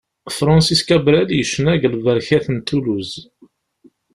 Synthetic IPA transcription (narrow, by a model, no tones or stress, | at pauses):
fɾˤɑ̃nsiskæbɾæljəʃːənæʝlvəɾçæθənt̪ːuluz